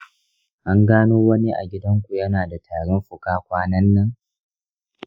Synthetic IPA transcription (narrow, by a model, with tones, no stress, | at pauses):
ʔa˦ŋɡaː˦noː˦wɐ˦ni˦ʔa̰˨ɡʲɪ˦dɐ˦ŋkʷu˨jɐ˦naː˨da˨tʰaː˨ɽɔ˦mɸʊ˨kaː˦kʷaː˦nɐ˦nːɐ˦ŋ